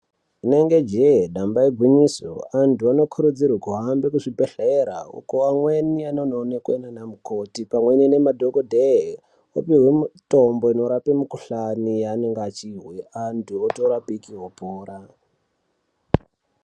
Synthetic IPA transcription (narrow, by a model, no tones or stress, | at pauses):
ine̞ŋɡe̞d͡ʒeɗambaiɡʱwiɲiso̰antuano̞kʰuɾud͡zirwakuɦambekuʐibʱeɬeɾa̰ṵkoamwenianononekuenanamukotipamwe̞nine̞madʱokodʱe | o̰piɦwemutombo̞ino̞ɾapimukuɬanijane̞ŋɡat͡ʃiwiantʰuotoɾapikiɦopoːɾa